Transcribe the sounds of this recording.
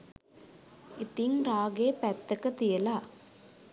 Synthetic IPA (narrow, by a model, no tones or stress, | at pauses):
it̪iŋɾaːɡeːpɛt̪ːɐkɐt̪ijɐlaː